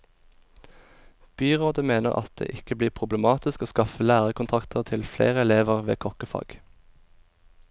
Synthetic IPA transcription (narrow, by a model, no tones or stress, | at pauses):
b̥yːʁoːd̪əmeːnəʁɑ̰t̪̚d̪̥ḛːʔɪkəbliːʁpʰʁʊbləmɑːt̪ɪskoːskɑfəlæːʁəkʊnt̪ʰʁɑkt̪ʰəʁt̪ʰɪlflḛːʁəɛleːʋəʁʋḛːkʰɔkəfɑ̰ːɡ̥